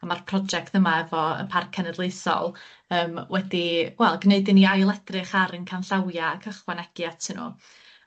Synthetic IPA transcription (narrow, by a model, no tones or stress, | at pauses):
amarpʰrɔd͡ʒɛk̚tʰəmaɛvɔə̰npʰarkʰɛnɛdlˠejsɔ̰lˠ | əːmwɛdiwɛlˠɡneɨdɪniajlˠɛdrɨχaɾənkʰanɬawjaːkʰəχwanɛɡ̥jatʰɪnṵ